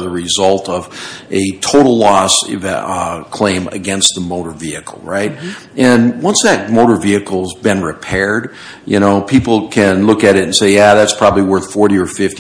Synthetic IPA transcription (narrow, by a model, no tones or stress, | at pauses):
ðəɹɨzʌlˠtʌvʔɨtʰoʊɾl̩ˠlɔs | kʰl̥ẽɪ̃mɨ̰ɡɛ̃nst̪̚ðəmoʊɾə˞viɨkʰl̩ˠɹaɪt̚ | ʔɨ̃nwʌ̃nsðɨt̚moʊɾə˞viɨkl̩ˠzbɨ̃nɹɨpʰɛɹd̚ | jɨ̰ñoʊpʰipl̩ˠkʰɨ̃nlʊkɨɾɨɾn̩seɪjæðætspʰɹ̥ɑbəbliwɜ˞θfɔɹɾiə˞fɪft